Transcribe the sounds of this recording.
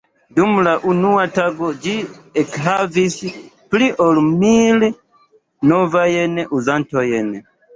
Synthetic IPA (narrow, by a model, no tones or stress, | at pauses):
dumlaʔunuataɡo̞d͡ʒiekɦavis | pliʔolmil | novajenʔuzantojen